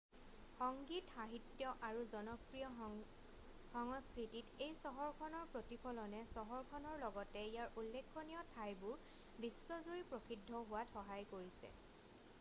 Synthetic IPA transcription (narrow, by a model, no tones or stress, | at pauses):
xɔŋɡitxaɦitjɔʔaɹuzɔnɔkɹijɔ | xɔŋɔskɹititejsɔɦɔɹkʰɔnɔɹpɹotipʰɔlɔnɛsɔɦɔɹkʰɔnɔɹlɔɡɔtɛijaɹʔulːekʰːɔnijɔtʰajbʊɹ | bistɔzuɹipɹoxidʱːɔɦʊwatxɔɦajkoɹisɛ̰